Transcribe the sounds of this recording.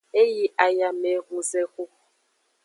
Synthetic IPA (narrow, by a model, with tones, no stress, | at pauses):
e˦ji˨ʔa˨ja˨mɛ˨˦ɣu˨zɛ˦ɣu˦